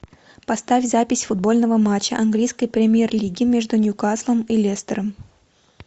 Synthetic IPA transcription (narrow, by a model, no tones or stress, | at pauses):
pɐst̪afʲzapʲɪsʲfʊd̪̚bo̞lʲnəvəmat͡ɕːəʔɐnɡlʲijskəjpɾʲɪmʲɪjerlʲiɡʲɪmʲe̞ʐd̪ʊnʲʊkaslˠəmilʲest̪əɾəm